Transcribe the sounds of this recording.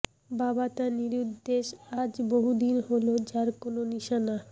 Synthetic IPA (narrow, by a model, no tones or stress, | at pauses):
babat̪aniɾud̪ːeʃad͡ʑboɦud̪inɦolod͡ʑaɾkononiʃana